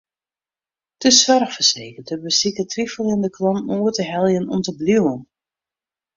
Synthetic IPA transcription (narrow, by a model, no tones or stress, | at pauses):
təsʋœrxfərseːkərtəbəsikətrifəlˠjəndəklɔnuːətəɦɛlˠjənɔmtəblywən